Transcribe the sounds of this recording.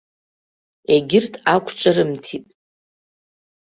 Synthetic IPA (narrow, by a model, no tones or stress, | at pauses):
eɡʲɪrtʰakʷʰt͡ʃʷʼaɾɨmtʰitʼ